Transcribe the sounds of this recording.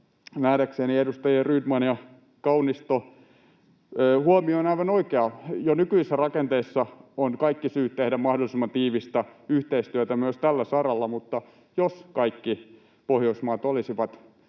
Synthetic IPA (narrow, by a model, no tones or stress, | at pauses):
næːɾækseːniedust̪ɑjeryt̪mɑnjɑ | kɑunist̪o | huomioːnɑiʋɑnoikeɑjonykyisːærɑkent̪eisːɑonkɑikːisyːt̪t̪ehdæmmɑhdolisimːɑnt̪iːʋist̪ɑyht̪eist̪yøt̪æmyøst̪ælːæsɑrɑlːɑmut̪ːɑ | joskɑikːi | pohjoismɑːt̪olisiʋɑt̪